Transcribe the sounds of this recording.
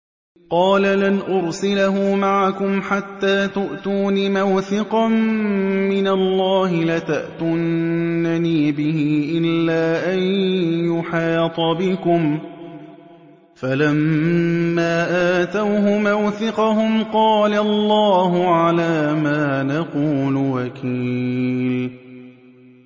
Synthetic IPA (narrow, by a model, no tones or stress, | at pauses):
qɑːlalanʔʊɾsɪlaɦuːmaʕakʊmħat̪ːaːt̪ʊʔt̪uːnimawθɪqɑmmɪnalˤːɑːhɪlat̪aʔt̪ʊnːaniːbɪhɪːʔɪlːaːʔajnjʊħiːt̪ˤɑbɪkʊm | falamː | aːʔaːt̪awɦʊmawθɪqɑhʊmqɑːlalˤːɑːɦʊʕalaːmaːnaquːlwakʰiːl